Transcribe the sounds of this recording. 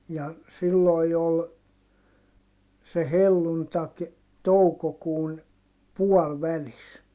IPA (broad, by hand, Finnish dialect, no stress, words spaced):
jɑ silːoˑi̯ jo ol se helːuntɑk toukokuːn puɔlʋælis